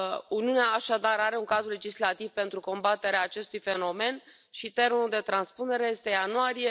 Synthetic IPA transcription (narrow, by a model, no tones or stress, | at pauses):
uniuneaːʃad̪aɾaɾe̞uŋkad̪ɾule̞d͡ʒislat̪ivpe̞nt̪ɾuko̞mbat̪e̞ɾeaːt͡ʃe̞st̪ujfe̞no̞me̞n | ʃit̪e̞rmenuld̪e̞t̪ɾanspune̞ɾe̞je̞st̪e̞januaɾije̞